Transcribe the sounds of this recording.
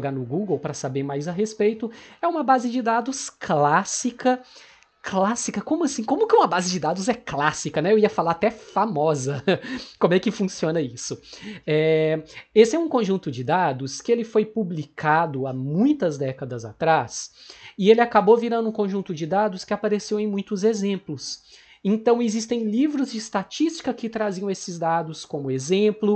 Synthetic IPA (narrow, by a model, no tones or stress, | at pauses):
ɡanʊɡuɡowpɾɐsabeɾmajzɐɦespejt̪ʊɛũmɐbazɪd͡ʒɪd̪ad̪ʊsklasikɐ | klasikɐkõmʊasĩkõmʊkɪũmɐbazɪd͡ʒɪd̪ad̪ʊzɛklasikɐnɛewiɐfalaɾat̪ɛfamɔzɐkõmʊɛkɪfũsiõnɐisʊɛ | esɪɛũkõʒũnt̪ʊd͡ʒɪd̪ad̪ʊskɪelɪfojpublikad̪ʊamũj̃t̪ɐzd̪ɛkɐd̪ɐza̰t̪ɾasɪelɪakaboviɾɐ̃nd̪ʊũkõʒũnt̪ʊd͡ʒɪd̪ad̪ʊskɪapaɾesewẽj̃mũj̃t̪ʊzezẽmplʊs | ẽnt̪ɐ̃w̃ezist̪ẽj̃livɾʊzd͡ʒɪːst̪at͡ʃist͡ʃi̥kɐkɪt̪ɾaziɐ̃w̃esɪzd̪ad̪ʊskõmʊezẽmplʊ